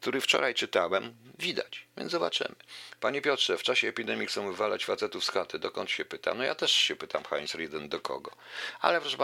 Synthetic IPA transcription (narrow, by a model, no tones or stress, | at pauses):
k̚t̪uɾɘft͡ʂɔ̰ɾajt͡ʂɘt̪awɛmvʲid̪a̰t͡ɕvʲjɛ̰nzɔbat͡ʂɘ̰mɘpaɲɛpʲjɔtʂɛft͡ʂaɕɛːpʲid̪ɛmʲixt̪sɛmuvalat͡ɕfat̪sɛt̪ufskat̪ɘd̪ɔkɔnt̪ɕɛpɘt̪a̰nɔja̰t̪ɛʂɕɛpɘt̪amxa̰jnsɾid̪ɛnd̪ɔkʰɔ̰ɡɔ | a̰lɛvɾaʐba